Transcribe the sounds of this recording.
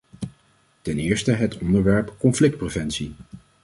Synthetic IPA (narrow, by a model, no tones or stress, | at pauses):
tɛnɪːɹstəɦətɔndəɹʋɛɹpkɔnflɪk̚t̚prevɛnsi